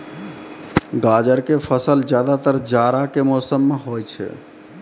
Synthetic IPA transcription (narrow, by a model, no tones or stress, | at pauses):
ɡad͡ʒəɾkepʰəsəld͡ʒjad̪at̪əɾd͡ʒaɾakemɔsəmːeɦojt͡ʃʰɛ̰